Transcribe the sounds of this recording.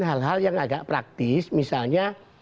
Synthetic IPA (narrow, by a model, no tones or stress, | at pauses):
nɦalɦaljaŋaɡaʔpɾak̚t̪ɪsmisalɲa